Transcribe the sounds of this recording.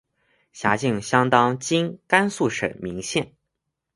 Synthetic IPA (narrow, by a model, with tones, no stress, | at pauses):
ɕja˧˥t͡ɕi˥˩ŋɕjɑ˥ŋt̪ɑ˥ŋt͡ɕi˥nka˥nsu˥˩ʂə̰˨˩mi˧˥ŋɕjɛ˥˩n